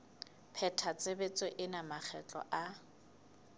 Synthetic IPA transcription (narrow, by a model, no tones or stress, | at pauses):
pʰɛtʰat͡sʼebet͡sʼeʔɪnamak͡xʰɛt͡ɬʼɔ̰ʔa